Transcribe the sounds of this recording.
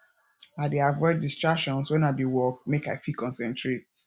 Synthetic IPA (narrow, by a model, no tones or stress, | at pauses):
adiavɔɪd͡ʒdistɹakʃɔ̃nswɛ̃nadiwɔk̚mekaɪfikɔ̃nsɛ̃ntʰɹet